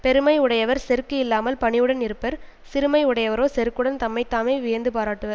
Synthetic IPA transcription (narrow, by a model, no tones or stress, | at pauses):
pɛɾɯmɐɪɯɽɐjɐʋɐɾsɛɾkːɯɪlːaːmɐlpɐɳɪjɯɽɐnɪɾɯpːɐɾ | sɪɾɯmɐɪɯɽɐjɐʋɐɾoːsɛɾɯkːɯɽɐnt̪ɐmːɐɪt̪ːaːmeːʋɪjɐnd̪ɯpaːɾaːʈːɯʋɐɾ